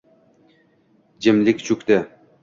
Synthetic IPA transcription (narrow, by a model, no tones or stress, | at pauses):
d͡ʒɪmlɪkʲt͡ʃʰʊkʲt̪ɪ